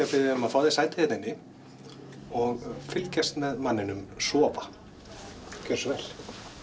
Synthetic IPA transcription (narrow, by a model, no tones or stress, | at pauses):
afɪðʏmaðfaːwðɪsaːjt̪ɪhɛt̪ɪnːɪ | ɔɣfɪlcɛst̪mɛðmanːɪnʏmsɔːva | cʰœ̥svɛl̥